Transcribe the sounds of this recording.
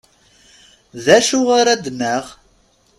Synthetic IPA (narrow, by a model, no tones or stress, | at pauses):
ðæʃuʁaɾæd̪nːəʁ